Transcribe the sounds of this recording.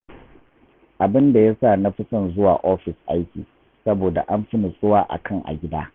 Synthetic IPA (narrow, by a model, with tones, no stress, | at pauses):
ʔa˨bɪ˦nda˨ja˦saː˦˨na˦ɸɪ˦sɐ˦˨nzʊ˦waː˨ʔoː˦ɸɪ˨sʔa˦jkʲiː˨ | sɐ˦boː˨da̰˨ʔa˦mɸɪ˦nɪ˨sʼʊ˦waː˦ʔa̰˨kʰɐ˦ŋʔa̰˨ɡʲɪ˦daː˦